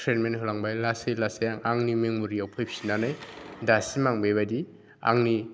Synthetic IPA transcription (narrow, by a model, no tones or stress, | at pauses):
tʰɾenmenɦɔlaŋbajlasejlasejaŋaŋnimeŋmuɾiɔpʰɯjpʰi̥sinanɯjdasimaŋbejβadi | a̰ŋni